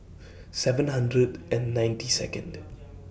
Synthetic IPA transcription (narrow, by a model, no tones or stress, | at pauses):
sɛvə̃nhãndɹədʔɛ̃nːãj̃ntisɛ̰kə̰̃nd